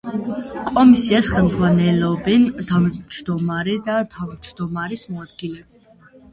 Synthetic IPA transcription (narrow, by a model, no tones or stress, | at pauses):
kʼɔmisiasχɛlmd̪zʁwanɛlɔbɛnt̪ʰad͡ʒd̪ɔmaɾɛd̪at̪ʰavmd͡ʒd̪ɔmaɾismɔad̪̚ɡilɛ